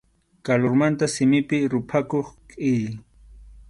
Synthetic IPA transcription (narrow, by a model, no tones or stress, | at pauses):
kaloɾmant̪asɪmɪpɪɾʊpʰakoχkʼɪj